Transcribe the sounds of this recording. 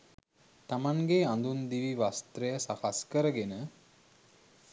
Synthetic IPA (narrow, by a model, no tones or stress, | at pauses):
t̪amaŋɡeãnd̪und̪iʋiʋast̪ɾejəsakaskəɾəɡenə